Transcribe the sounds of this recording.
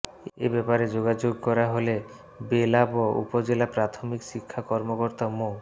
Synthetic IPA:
ḛbɛpaɾed͡ʑoɡad͡ʑoɡ̚kɔɾaɦole | belaboṵpod͡ʑelapɾat̪ʰomikʃikʰːakɔɾmokoɾt̪amo

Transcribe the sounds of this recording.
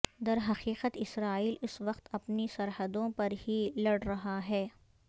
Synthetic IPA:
d̪ɐɾɦɐqiːqət̪ɪsɾaːiːlʊsʋɐqt̪ɐpnisɐɾɦəd̪õpɐɾɦilɐɽɾɐɦaɦɛː

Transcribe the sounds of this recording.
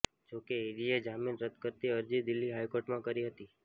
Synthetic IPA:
d͡ʒokeiɾied͡ʒaminɾəd̪kəɾt̪iəɾd͡ʒid̪ɪlːiɦajkoɾʈmãkəɾiɦət̪i

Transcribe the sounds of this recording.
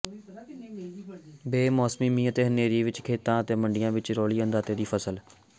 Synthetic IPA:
beːmɔːsmiːmiːət̪eːɦəneːɾiːʋɪt͡ʃkʰeːt̪ãːət̪eːməɳɖɪjãːʋɪt͡ʃɾɔːliːənd̪aːt̪eːd̪iːpʰəsəl

